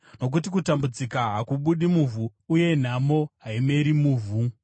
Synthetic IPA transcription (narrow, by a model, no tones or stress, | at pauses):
no̞k̬utikutambud͡zikaɦakuɓuɗimuvʱuːje̞n̤amo̞ɦaime̞ɾimuːvʱu